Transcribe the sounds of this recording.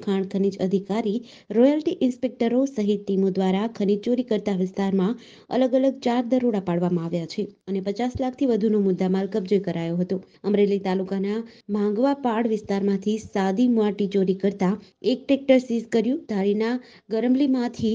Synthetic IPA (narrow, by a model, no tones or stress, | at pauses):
kʰaɳkʰənid͡ʒəd̪ʱikaɾi | ɾɔjalʈiʔɪnspek̚ʈəɾosəɦit̪ːimod̪ʋaɾakʰənid͡ʒt͡ʃoɾikəɾt̪aʋɪst̪aɾmã | ə̰ləɡələɡ̚t͡ʃaɾd̪əɾoɽapaɽʋamãaʋjat͡ʃʰeənepət͡ʃaslak̚ʰt̪ʰiʋəd̪ʱunomʊd̪ːamalkəp̚d͡ʒojkəɾajoɦət̪o | əmɾelit̪alukanamʱãŋɡʋapaɽʋɪst̪aɾmãt̪ʰisad̪imuaʈit͡ʃoɾikəɾt̪aek̚ʈek̚ʈəɾsizkəɾjũd̪ʱaɾina | ɡəɾəmlimãt̪ʰi